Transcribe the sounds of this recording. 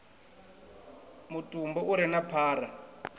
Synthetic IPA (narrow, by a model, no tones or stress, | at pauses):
mutʼumbɔuɾinapʰaːra